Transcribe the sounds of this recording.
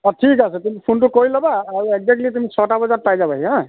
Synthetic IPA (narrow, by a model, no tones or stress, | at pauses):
ɔʈʰikasɛt̪umipʰunʈukɔilɔbaːɾek̚zek̚ʈlit̪̬umit͡ʃʰɔʈabɔd͡zaɾ̚pajd͡ʒabaɦiɦã